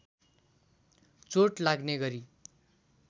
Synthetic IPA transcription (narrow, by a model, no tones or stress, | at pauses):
t͡soʈlaɡneɡʌɾi